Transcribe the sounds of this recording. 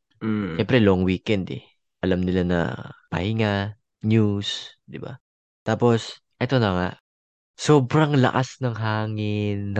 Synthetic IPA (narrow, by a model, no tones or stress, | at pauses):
ʃɛmpɾɛloʔŋwiːkɛnd̪ɛ̰ | ʔɐlamnɪlanɐ̰pɐ̰hɪŋa | njusd̪ɪba̰ | t̪aːpo̞s | ʔɛt̪o̞nɐŋaʔ | soːbɾɐŋlɐ̰ʔasnɐŋɦaːŋɪnː